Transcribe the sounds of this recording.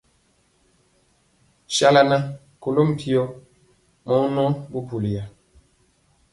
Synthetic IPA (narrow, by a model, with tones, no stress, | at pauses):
ʃa˦la˨na˦ | ko˨lo˦m̩˨pi˨o˦ | mɔ˨˦nɔ˦bu˦pu˨li˨ja˨